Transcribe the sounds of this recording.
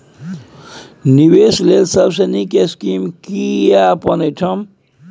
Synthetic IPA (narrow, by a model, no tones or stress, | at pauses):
niweslelsəbsenikeskimkiapʌnəʈʰʌm